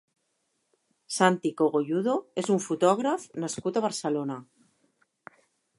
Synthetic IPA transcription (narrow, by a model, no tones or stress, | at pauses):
sant̪ikoɣ̞oʝuðoe̞suɱfut̪oɣ̞ɾafnaskut̪aβaɾselona